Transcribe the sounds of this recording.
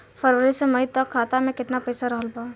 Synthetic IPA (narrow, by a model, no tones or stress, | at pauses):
fʰəɾʋəɾisemɐit̪ɐkʰːaːt̪amẽkɪt̪napɐɪsaɾɐɦəlbaː